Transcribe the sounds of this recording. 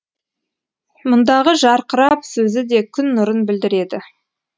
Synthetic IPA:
mʊnd̪ɑʁəʒɑɾqəɾɑpsɵzɪd̪e̞kʲʰʏnːʊɾənbɪld̪ɪɾe̞d̪ɪ

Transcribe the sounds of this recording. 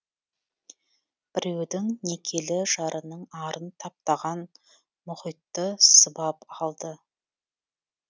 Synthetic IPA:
b̥ɪɾe̞wd̪ɪŋne̞kʲʰe̞lɪʒɑɾʔənəɴɑɾʔənt̪ʰɑp̚t̪ɑʁɑn | mʊχijt̪ːəsəbɑpɑlˠd̪ə

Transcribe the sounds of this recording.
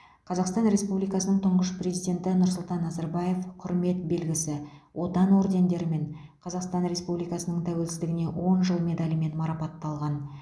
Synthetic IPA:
qʰɑzɑqst̪ɑnɾe̞spublijkɑsənəɴt̪ʰʊɴʁəʃprʲe̞zijd̪ʲe̞nt̪ɪnʊɾsʊlˠt̪ɑnːɑzɑɾbɑje̞fqʰʊɾme̞t̪̚be̞lɡʲɪsɪwʔo̞t̪ɑnwo̞ɾd̪ʲe̞nd̪e̞ɾɪme̞ɴ | qʰɑzɑqst̪ɑnɾe̞spublijkɑsənəɴt̪ʰæwe̞lsɪzd̪ɪɡʲɪne̞wo̞nʒəlˠme̞d̪ɑlʲəme̞nmɑɾɑpɑt̪ːɑlˠʁɑn

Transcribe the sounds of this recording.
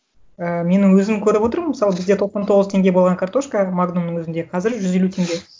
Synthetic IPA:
əme̞nɪŋwɵzɪmkʲʰɵɾɪpwo̞t̪əɾməməsɑlˠəbɪzd̪e̞t̪ʰo̞qsɑnt̪ʰo̞ʁəzt̪ʰe̞ŋɡʲe̞bo̞lˠʁɑŋkʰart̪o̞ʃkəmaɡno̞nːəɴwɵzɪnd̪e̞qʰɑzɪɾʒʏze̞lut̪ʰeŋɡʲe̞

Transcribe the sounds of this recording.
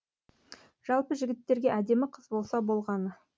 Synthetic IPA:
ʒ̥ɑlˠpəʒɪɡʲɪt̪ːe̞ɾɡʲe̞ʔæd̪e̞mɪqʰəzbo̞lˠsɑbo̞lˠʁɑnə

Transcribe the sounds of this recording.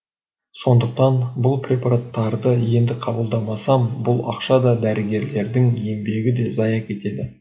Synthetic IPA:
so̞nd̪əq̚t̪ɑnbʊlˠprʲe̞paɾat̪ːɑɾd̪əje̞nd̪ɪqʰɑbəlˠd̪ɑmɑsɑmbʊlˠɑ̰qʃɑd̪ɑd̪æɾɪɡʲe̞ɾle̞ɾd̪ɪŋe̞mbe̞ɡʲɪd̪e̞zɑjɑkʰʲe̞t̪e̞d̪ɪ

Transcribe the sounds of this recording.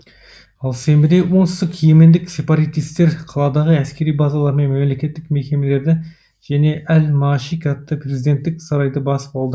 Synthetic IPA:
ɑlˠse̞mbɪd̪ejwo̞ɴt̪ɪ̥st̪ɪkʰije̞me̞nd̪ɪkse̞pɑɾɑt̪ijst̪e̞ɾqʰɑlˠɑd̪ɑʁəæskʲe̞ɾijbɑzɑlˠɑɾəme̞nme̞mle̞kʲe̞t̪ːɪkme̞kʲe̞me̞le̞ɾd̪ɪ | ʒ̥æne̞ʔælmɑʃikʲɑt̪ːəpre̞zijd̪e̞nt̪ːɪksɑɾɑjd̪əbɑsə̥pɑlˠd̪ə

